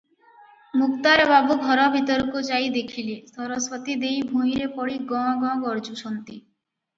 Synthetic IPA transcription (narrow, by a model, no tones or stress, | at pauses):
mukt̪aɾbabuɡʱɔɾɔbʱit̪ɔɾkot͡ʃajd̪ekʰilisʰɔɾosfɔt̪id̪ejbʱuiɾepɔɽiɡɔ̃ɡɔ̃ɡɔɾd͡ʒuʃɔnt̪i